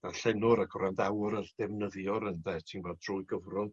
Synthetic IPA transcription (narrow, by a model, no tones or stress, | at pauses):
d̥arɬɛnʊɾaɡʰɔrandawɾərdɛvnəðjɔɾəndɛtʰinvoːd̚druːɨɡəvrʊŋ